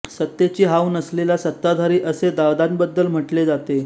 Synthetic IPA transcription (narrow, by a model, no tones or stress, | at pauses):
sət̪ːjet͡ɕiːɦawnəslelasət̪ːad̪ʱaɾiːʔəsed̪aʋd̪anbəd̪ːəlm̤əʈled͡zat̪e